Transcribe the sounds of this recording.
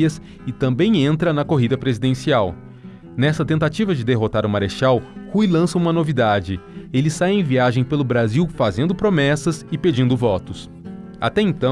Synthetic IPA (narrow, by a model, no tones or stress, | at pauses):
ɐs | ɪt̪ɐ̃mbẽj̃ẽnt̪ɾɐnɐkoɦid̪ɐpɾezid̪ẽsiaw | nɛsɐt̪ẽnt̪at͡ʃivɐd͡ʒɪd̪eɦot̪aɾʊmaɾeʃawhujlɐ̃sɐũmɐnovid̪ad͡ʒɪelɪsajẽj̃viaʒẽj̃pelʊbɾaziwfazẽnd̪ʊpɾomɛsɐsɪped͡ʒĩnd̪ʊvɔt̪ʊs | a̰t̪ɛẽnt̪ɐ̃